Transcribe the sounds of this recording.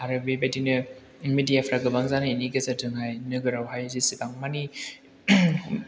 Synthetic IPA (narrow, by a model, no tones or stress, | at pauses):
aɾɯbebadinɯ | midijapʰɾaɡɯbaŋzanɯiniɡazatɯŋɦajnɯɡɯɾawɦajzisibaŋmani